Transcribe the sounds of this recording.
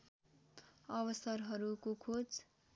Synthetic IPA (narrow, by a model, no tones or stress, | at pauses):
ʌβʌsʌɾɦʌɾukokʰod͡z